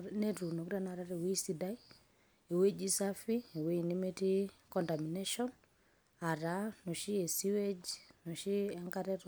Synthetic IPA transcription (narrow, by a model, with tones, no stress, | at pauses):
ne˦ɾu˨no˨ku˦ɾa˨na˨ɾa˦ɾe˨we˦si˦da˦i | e˨we˦d͡ʒi˦safi˦e˨we˦i˨ni˦me˦ti˦kɔ˨nta˨mine˦ʃɔ˦n | a˨ɾa˦no˨ʃi˦e˨si˦we˦d͡ʒino˨ʃi˦ɛ˦ŋka˦ɾɛ˦ɾ